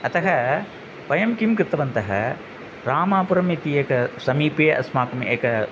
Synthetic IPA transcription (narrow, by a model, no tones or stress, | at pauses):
ɐt̪ɐɦɐ | pɐjɐmkimkɾɪt̪ːɐʋɐnt̪ɐɦɐ̰ | ɾaːmaːpuɾɐmit̪ieːkɐsɐmiːpeːʔɐ̰smaːkumḛːkɐ